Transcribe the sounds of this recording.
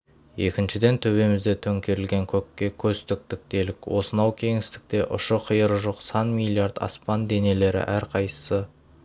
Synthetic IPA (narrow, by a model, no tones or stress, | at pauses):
je̞kʲɪnʃɪd̪e̞nt̪ʰɵβe̞mɪzd̪e̞t̪ʰɵŋkʲe̞ɾɪlɡʲe̞ŋkʲʰɵkʲːe̞kʲʰɵst̪ɪk̚t̪ɪk̚t̪e̞lɪkʲwo̞sənɑwkʲʰe̞ŋɪst̪ɪ̥k̚t̪e̞ʔʊ̰ʃəqʰəjəɾʒoqsɑnmilʲijaɾd̪ɑ̰spɑnd̪e̞ne̞le̞ɾɪ̰ʔæɾqʰɑjsə̥sə